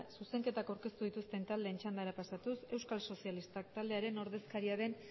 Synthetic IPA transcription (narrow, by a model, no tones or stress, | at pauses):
suse̞ŋke̞t̪akawɾke̞st̪uðit̪ust̪e̞nt̪ald̪e̞ːnt͡ʃand̪aɾapasat̪use̞wskalso̞sialist̪ak̚t̪ald̪e̞aɾe̞no̞ɾðe̞skaɾiaðe̞n